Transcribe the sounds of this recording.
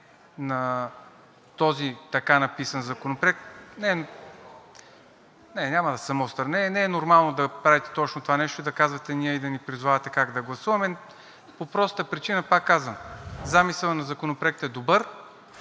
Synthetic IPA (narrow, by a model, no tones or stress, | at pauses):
nɐ | t̪ɔzit̪ɐkanɐpisɐnzɐkonopɾoɛk̚t̪nɛ | nɛnʲamɐd̪ɐsɐmɔst̪ɾɐnɛnɛɛnoɾmalˠnod̪ɐpɾavit̪ɛ̥t̪ɔt͡ʃnot̪ovanɛʃt̪oid̪ɐkazvɐt̪ɛniɛid̪ɐnipɾizovavɐt̪ɛkaɡd̪ɐɡlˠɐsuvɐmɛ | popɾɔst̪əpɾit͡ʃinəpakːazvɐmzamisəlˠənɐzɐkonopɾoɛk̚t̪ɛd̪obɤɾ